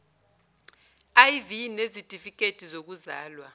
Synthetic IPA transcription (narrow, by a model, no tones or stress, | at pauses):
ajvinezitʼifik̬ʼetʼizok̬uza̰ːlwa